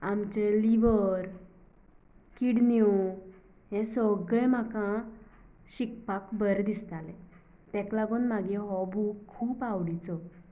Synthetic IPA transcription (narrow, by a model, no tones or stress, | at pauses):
amt͡ɕeliʋəɾ | kiɽnju | ɦɛ̃səɡɭɛ̃m̤akã | ɕikpakbəɾd̪ist̪alɛ̃ | t̪ɛ̃klaɡonmaɡeɦɔbukʰːuːpaʋɽit͡sɔ